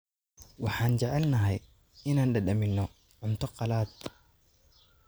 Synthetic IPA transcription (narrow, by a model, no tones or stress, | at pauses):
wɑħɑːnt͡ʃɛʕɛlnɐɦɛj | ɪnaːnɖɐɗɐmɪnːɔ | ʕʊnt̪ʰɔqɑlaːd̪